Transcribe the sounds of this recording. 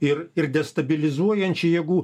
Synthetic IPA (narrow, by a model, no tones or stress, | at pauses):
ɪɾɪɾd̪ʲɛst̪ɐbʲɪlʲɪzuɔjɛnʲt͡ʃʲɪjɛɡuː